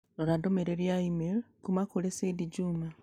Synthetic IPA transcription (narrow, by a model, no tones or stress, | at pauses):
oɾadomeɾeɾjaimekumakulesediɟuːma